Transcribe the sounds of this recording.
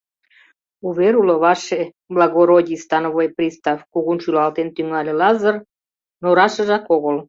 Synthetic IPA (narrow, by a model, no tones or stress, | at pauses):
uβeɾulə̆βɑʃe | blɑɣoɾodʲist̪ɑnoβojpɾʲist̪ɑfkuɣunʃylɑlt̪ent̪yŋɑlʲelɑzər | noɾɑʃə̆ʒɑkoɣol